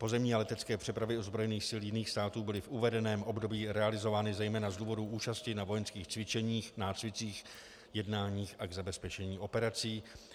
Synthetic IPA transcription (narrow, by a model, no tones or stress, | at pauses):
po̞zɛmɲiːalɛt̪ɛt͡skɛːpr̥ɛpɾavjɪo̞zbɾo̞jɛniːxsɪljɪniːxst̪aːt̪uːbɪlɪfʔuvɛdɛnɛːmʔo̞bdo̞biːɾɛalɪzo̞vaːnɪzɛjmɛːnazduːvo̞duːʔuːt͡ʃascɪnavo̞jɛnskiːxt͡svɪt͡ʃɛɲiːxnaːt͡svɪt͡siːx | jɛdnaːɲiːxʔaɡzabɛspɛt͡ʃɛɲiːʔo̞pɛɾat͡siː